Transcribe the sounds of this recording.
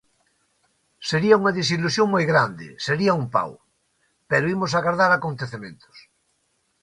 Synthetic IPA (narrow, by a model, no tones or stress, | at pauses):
seɾiauŋaðis̬ilusjoŋmojɣɾand̪ɪ̰seɾiaumpa̰w | peɾoimos̬aɣaɾðaɾakont̪eθemẽnt̪ʊ̥s